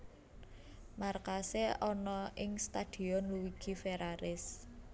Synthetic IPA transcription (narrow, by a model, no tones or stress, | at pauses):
markaseɔnɔʔɪŋst̪ad̪̥i̤ɔnluwiɡ̥i̤feɾaɾɪs